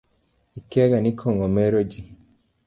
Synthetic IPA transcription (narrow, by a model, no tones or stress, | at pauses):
ikɛɡanikʰoŋomeɾod͡ʒi